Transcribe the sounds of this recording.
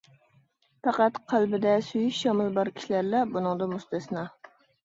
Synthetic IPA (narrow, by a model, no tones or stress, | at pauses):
fɑqɑt̪qʰɑlˠbɪd̪ɛsujɪʃːɒmɨlˠbɑɾkʲʰi̥ʃlæɾlɛbʊnɨŋd̪ɑmʊst̪æsnɑ